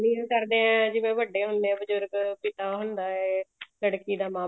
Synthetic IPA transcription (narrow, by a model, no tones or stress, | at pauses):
niãːkəɾd̪eːɛ̃ːd͡ʒɪʋẽːʋəɖːeːɦʊnd̪eːɛ̃ːbəd͡ʒʊɾɡpɪt̪aːɦʊnd̪aːɛːləɽkiːd̪aːmaː